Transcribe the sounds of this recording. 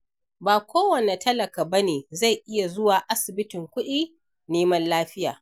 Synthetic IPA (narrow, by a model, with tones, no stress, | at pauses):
baː˨kʷoː˦wɐ˨ne˨tɐ˦lɐ˨ka˨bɐ˦neː˨za˦˨jʔɪ˦ja˨zʊ˦waː˨ʔa˦sɪ˨bɪ˦tɪ˨ŋkʷʊ˦ɗiː˦ | neː˦mɐ˦nlaː˦ɸɪ˦ja̰ː˨